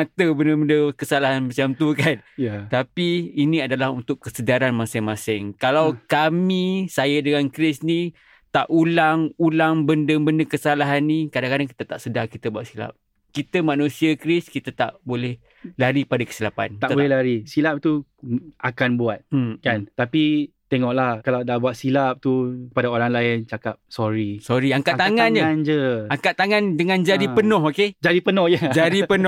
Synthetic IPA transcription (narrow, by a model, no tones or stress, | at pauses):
at̪əbənəbəndəkəsalaɦanmat͡ʃamt̪ukanjat̪apiːniadalaɦunt̪ʊkːəsədaɾanmasɪŋmasɪŋkalawkamisajədəŋankɾɪsni | t̪aʔulaŋulaŋbəndəbəndəkəsalaɦanːikadaŋkadaŋki̥t̪ət̪aʔsədarkit̪əbuaʔsila̰p̚ | kit̪əmanũsiakɾɪskit̪at̪a̰ʔbolɛh | laɾipadakə̥silapa̰nt̪aʔb̪bolɛhlaɾisilap̚t̪uakanbuat̪̚kant̪apit̪eŋɔʔlahkalawdaʔbuat̪̚silap̚t̪ukəpadaoɾaŋlaɪnt͡ʃakap̚soɾisɔɾiaŋkaʔt̪aŋand͡ʒənd͡ʒəaŋkaʔt̪ːaŋãndəŋãnd͡ʒadipənɔɦoked͡ʒaɾipənɔhjəd͡ʒadipənɔ